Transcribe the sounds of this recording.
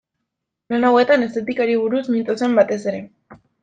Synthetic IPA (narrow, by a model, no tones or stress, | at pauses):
lenawe̞t̪ane̞st̪e̞t̪ikaɾiβ̞uɾusmint̪ose̞mbat̪e̞se̞ɾe̞